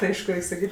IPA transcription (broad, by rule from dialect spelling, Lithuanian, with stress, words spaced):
tʲɪ ˈɐɪʃkʊ ˈrʲɛɪkʲ sɐˈkʲiːtʲ